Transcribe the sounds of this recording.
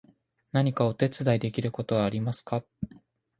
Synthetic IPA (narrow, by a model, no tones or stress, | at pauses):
naɲ̟ikao̞t̪e̞t͡sɨd̪aid̪e̞kʲiɾɯ̟ko̞t̪o̞βaːɾʲimasɨ̥ka